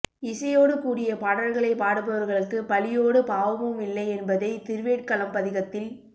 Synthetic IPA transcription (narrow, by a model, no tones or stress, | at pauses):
ɪsɐjoːɽɯkuːɽɪjɐpɐɽɐlɣɐɭɐɪpaːɽɯpɐʋɐɾɣɐɭɯkːɯpɐlɪjoːɽɯpaːʋɐmɯmɪlːɐɪɛnbɐðɐɪt̪ɪɾʋeːʈ̚kɐlɐmpɐðɪɣɐt̪ːɪl